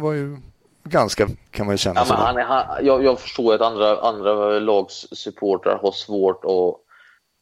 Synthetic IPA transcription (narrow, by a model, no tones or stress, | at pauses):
vajɵ | ɡanskakʰanmanjɵɕɛnːamɛnhanɛɦanjɑːjɑːɡfœ̥ʂʈoːjɾat̪and̪ɾaʔa̰nd̪ɾalɑːɡssɵpʰoːʈa̰ɾɦaʂvoːʈɔ